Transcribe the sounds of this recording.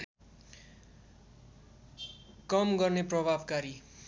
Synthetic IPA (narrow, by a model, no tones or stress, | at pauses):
kʌmɡʌrneprʌbʱabkaɾi